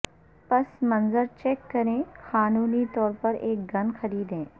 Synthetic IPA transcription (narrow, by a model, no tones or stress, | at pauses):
pɐsmɐ̃nzəɾt͡ʃeːkːɐɾẽːxaːnuːnit̪ɔːɾpɐɾeːk̚ɡɐnxɐɾiːd̪ɦẽː